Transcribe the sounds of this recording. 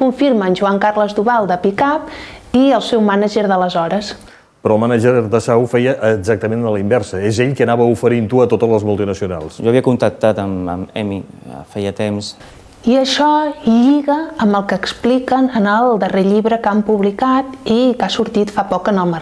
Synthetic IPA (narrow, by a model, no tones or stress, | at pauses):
kuɱfiɾmənʲʒuaŋkarləzd̪uβalˠd̪əpikapiəlˠsɛwmanəʒəɾðələzɔɾəs | pɾɔːlˠmanaʒəɾd̪əsawfɛjəʔːɡzak̚t̪əmenələimbɛɾsəezeʎkənaβəufəɾint̪uət̪ot̪ələzmulˠt̪inəsiuna̰lˠsʒɔβiəkunt̪ək̚t̪at̪əmə̰mɛmifɛjət̪ems | iəʃɔʎiɣəːmbəlˠkəːksplikənənəlˠd̪əreʎiβɾəkampuβlikat̪ikasuɾt̪it̪fapɔkənəlˠmə